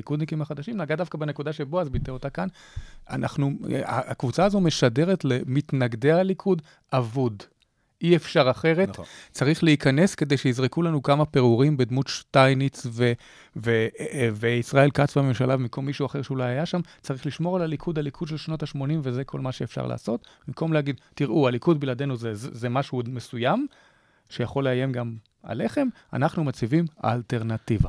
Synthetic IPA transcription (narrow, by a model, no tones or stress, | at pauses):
likud̪nikimaχad̪aʃimnaɡadafkabene̞kudaʃebo̞azbit̪eot̪akan | a̰nʔa̰χnua̰akvut͡saːzo̞me̞ʃade̞ʁetlemit̪naɡd̪ealikʰud̪ | ʔavud̪ | ʔiefʃaʁaχe̞ʁett͡saʁiχleikane̞ske̞d̪e̞jʃejizʁekulanukamapeʁuʁimbed̪mut̪ʃt̪ajnit͡sve | veveisʁae̞lkat͡svame̞mʃalavmimkʰo̞mːiʃuaχe̞ʁʃeulajajaʃam | t͡saʁiχliʃmo̞ʁalalikʰud̪alikʰudʃe̞lʃnotaʃmo̞nimvezekʰo̞̰lmaʃeefʃa̰ʁla̰ːso̞t̪bimko̞mleaɡid̪tiʁʔualikudbilad̪e̞nuzezemaʃumesujam | ʃejaχo̞lːeaje̞mɡam | a̰le̞χe̞m | a̰naχnumat͡sivima̰ːlte̞ʁnat̪iva